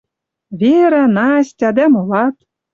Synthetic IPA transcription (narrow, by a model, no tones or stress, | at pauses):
vʲeɾænɑsʲtʲɑd̪æmolɑt̪